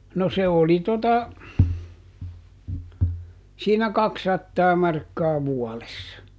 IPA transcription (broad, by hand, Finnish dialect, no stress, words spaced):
no se oli totɑ siːnæ kɑksɑtːɑː mɑrkːɑː ʋuɔlesːɑ